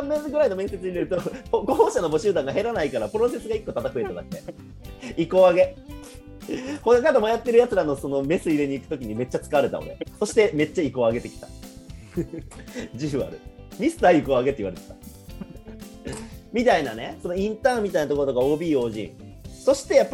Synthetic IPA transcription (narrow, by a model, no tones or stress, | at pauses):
sãmːẽɡɯ̟ɾaino̞mẽ̞se̞t͡sɨɲ̟ineɾɯ̟t̪okoɡohoɕano̞bo̞ɕɨːd̪ãŋɡaɦe̞ɾanaikaɾapɯ̟ɾo̞se̞sɨɡaikːo̞t̪at̪akɯ̟e̞t̪ad̪ak̚t̪ːe | iko̞aɡe̞ | hok̪ad̪omajat̪ːe̞ɾɯjat͡sɨɾano̞so̞no̞me̞sɨiɾe̞ɲ̟iːkɯ̟t̪okʲiɲ̟ime̞t͡ɕːat͡sɨ̥kaβaɾe̞t̪a̰o̰ɾe̞̰so̞ɕi̥t̪e̞me̞t͡ɕːaiko̞aɡe̞t̪e̞kʲi̥t̪ḁ | d͡ʑɨːβa̰ɾɯ̟̰mʲisɨ̥t̪aikoaɡet̪eiβaɾe̞t̪e̥t̪ḁ | mʲit̪ainane̞so̞no̞ĩnt̪ãːmmʲit̪ainat̪okoɾt̪okao̞ːbʲiːo̞ːʑḭ̃ɴso̞ɕi̥t̪e̞japː